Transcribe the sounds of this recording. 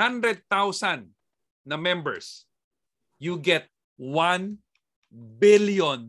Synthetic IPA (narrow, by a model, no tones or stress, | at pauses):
ãnd̪ɾɛd̪̚t̪awsãnː | ɐmɛ̃mbɛ̰ɹs | juɡɛt̪̚ | wãn | bɪljɔ̃n